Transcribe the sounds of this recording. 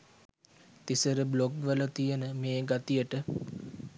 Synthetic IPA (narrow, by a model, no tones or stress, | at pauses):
t̪isəɾəbloɡʋələt̪ijənəmeːɡat̪ijəʈə